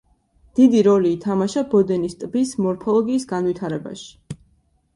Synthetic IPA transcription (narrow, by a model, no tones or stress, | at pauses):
d̪̥id̪iɾɔliːt̪ʰamaʃabɔd̪ɛnist̪ʼbismɔɾpʰɔlˠɔɡiːsɡanwit̪ʰaɾɛba̰ʃi̥